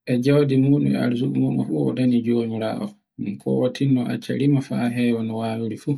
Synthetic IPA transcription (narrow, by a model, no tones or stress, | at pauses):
ʔɛd͡ʒawdimuːɗumɛa̰ɾzuɗumumɔ̰fuɔ̰danid͡ʒoːmiɾa̰ːʔɔ | miŋkʰɔ̰watʰinːɔʔa̰t͡ʃːa̰ɾimafaɦɛwɔnɔwawuɾifu